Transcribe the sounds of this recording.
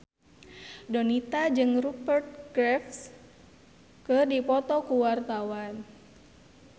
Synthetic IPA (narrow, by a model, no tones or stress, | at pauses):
dɔnit̪ad͡ʒɨŋrupərt̪̚ɡɾɛfs | kɨrdipɔt̪ɔkuwart̪awan